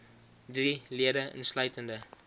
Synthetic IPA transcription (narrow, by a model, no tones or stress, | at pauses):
driliədəə̰nslœɥtəndə